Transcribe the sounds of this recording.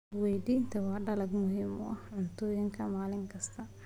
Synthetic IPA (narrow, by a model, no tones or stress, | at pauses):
wɛjd̪int̪ʰɐwɑːɖɐlɐɡmʊɦiːmʊ̰ʔɐhʕʊnt̪ʰɔːjɪŋkʰɐmaːlɪŋkʰɐst̪ʰɐ